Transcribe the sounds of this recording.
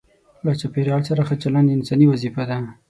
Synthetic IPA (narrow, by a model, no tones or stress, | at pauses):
lat͡ʃapeɾjɑlsaɾaxat͡ʃalɑnɪnsɑniwazifad̪a